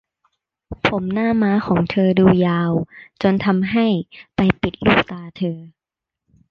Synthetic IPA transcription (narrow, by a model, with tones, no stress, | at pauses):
pʰo˩˦mnaː˥˩maː˦˥kʰɔː˩˦ŋt̪ʰɤː˧duː˧jaː˧wt͡ɕo˧nt̪ʰa˧mɦa˥˩jpa˧jpi˨˩t̪̚luː˥˩k̚t̪aː˧t̪ʰɤː˧